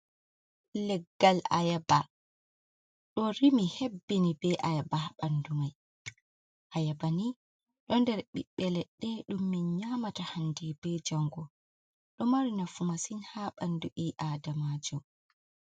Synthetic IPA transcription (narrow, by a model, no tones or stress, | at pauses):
lɛɡːala̰jaba | ɗɔɾimihebːinibɛʔajabaɓandumaj | ʔajabani | ɗɔndɛɾɓḭɓːɛlɛɗːɛɗumːinɲaːmatahandɛbɛd͡ʒaŋɡɔ | ɗɔmaɾinafumasinhaɓanduʔiʔaːdamad͡ʒɔm